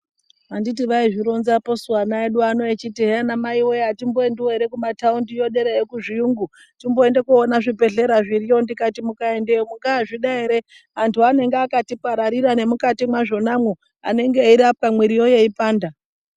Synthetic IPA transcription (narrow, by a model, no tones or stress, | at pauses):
anditiʋaiʐiɾo̞nzaposuwanaeɗuanoet͡ʃitiɦeanamaiwo̞jatimboendiwoeɾe̞kumataundijo̞ɗe̞ɾejekuʐijuŋɡu | timbo̞endekuonaʐipe̞ɮe̞ɾaʐirijo̞ndikatimukae̞ndejomuŋɡaːʐiɗaiɾe̞ | antʰuane̞ŋɡeakatipaɾaɾiɾane̞mukatimwaʐo̞namu | a̰ne̞ŋɡeiɾap̚kamwiɾijo̞je̞ipaːnda